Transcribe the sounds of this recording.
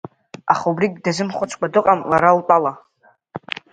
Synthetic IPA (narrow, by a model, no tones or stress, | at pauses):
aχaubriɡʲdazɨmχʷʊt͡ʃʷʰʼkʷʰadɨqʼamlaɾaltʷʼala